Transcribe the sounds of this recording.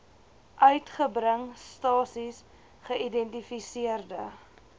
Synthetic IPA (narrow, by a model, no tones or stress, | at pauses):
ʔœɥtχəbɾəŋstɑːsis | χəidɛntifisiərdə